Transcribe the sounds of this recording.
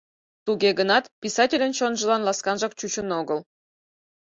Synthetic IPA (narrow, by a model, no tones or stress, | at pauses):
t̪uɡeɡənɑt̪pʲisɑtʲelʲənt͡ɕonʒə̆lɑnlˠɑskɑnʒɑk̚t͡ɕut͡ɕənoɡəlˠ